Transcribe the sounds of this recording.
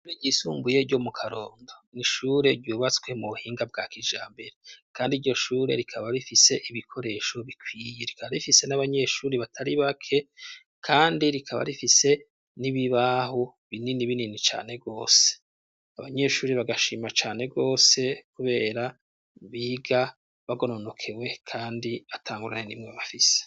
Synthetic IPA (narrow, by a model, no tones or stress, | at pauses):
uɾeɟisuːmbuje̞ɟo̞mukʰaɾo̞ːndo̞niʃuːɾe̞ɾɟuːβat͡sɡwe̞muβuhiːŋɡab̚ɡaːkiʒa̰ːmbe̞ɾekʰaːndiɾɟo̞ʃuːɾe̞̰ɾikʰaβaɾifise̞ʔiβikʰo̞ɾe̞ːʃo̞βikʰwijeɾikʰaβaɾifise̞naβaɲe̞ʃuːɾeβatʰaɾiβakʰe̞ | kʰaːndiɾikʰaβa̰ɾifise̞ | niβiβaho̞ | βininiβininit͡ʃa̰ːne̞ɡo̞ːse̥e̥ | aβaɲe̞ʃuːɾiβaɡaʃimat͡ʃaːne̞ɡo̞ːse̞kuβe̞ːɾa | βiːɡa | βaɡo̞nono̞kʰe̞we̞kʰaːndiatʰaːŋɡuɾa̰nenḭmŋeβafise̥